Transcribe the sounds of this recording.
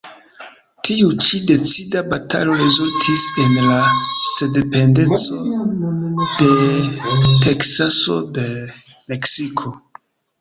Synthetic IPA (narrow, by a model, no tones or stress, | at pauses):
tʰiut͡ʃide̞t͡sidabatʰa̰lo̞ɾizultʰise̞nlasedepe̞nde̞t͡so̞ | d̥e̞ | te̞ksaso̞̰de̞me̞ksikʰo̞